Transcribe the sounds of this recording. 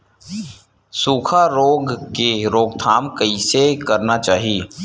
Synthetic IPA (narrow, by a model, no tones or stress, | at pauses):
suːkʰaɾoːɡkeɾoːɡt̪ʰaːmkəisekɐɾnat͡ʃaːɦi